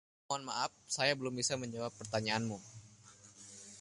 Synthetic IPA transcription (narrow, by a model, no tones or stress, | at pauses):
anmaʔaf̚sajabəlʊmbisaməɲd͡ʒawapːərt̪aɲaːnmu